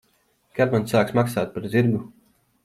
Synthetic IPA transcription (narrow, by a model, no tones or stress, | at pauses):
kʲaɾmansaːksmaksaːt̪̚ʲpaɾziɾɡu